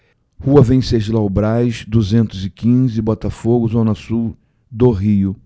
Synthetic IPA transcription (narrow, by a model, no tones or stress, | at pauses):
huɐvẽj̃sed͡ʒɪlaʊbɾajʃd̪uzẽnt̪ʊzɪkĩzɪbɔt̪ɐfoɡʊzõnɐsu | d̪oɦiʊ